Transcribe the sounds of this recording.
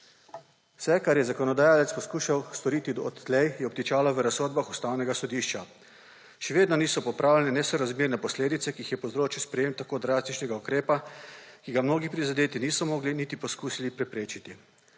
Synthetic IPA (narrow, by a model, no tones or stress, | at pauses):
wsɛkaɾjɛzakɔnɔd̪ajaːlɛt̪spɔskuːʃawst̪ɔɾiːt̪iɔ̰t̪t̪lɛjjɛɔp̚t̪it͡ʃaːlɔʋəɾasːoːd̪̚baxust̪aːwnɛɡasɔd̪iːʃt͡ʃa | ʃɛʋeːd̪nɔniːsɔpɔpɾaːwlɛnɛnɛsɔɾazmeːɾnɛpɔsleːd̪it̪sɛkiixjɛpozɾoːt͡ʃiwspɾɛjeːmt̪akoːd̪ɾast̪it͡ʃnɛɡaukɾeːpakiɡamnoːɡipɾizad̪eːt̪iniːsɔmɔːɡlinit̪ipɔskuːsilipɾɛpɾeːt͡ʃit̪i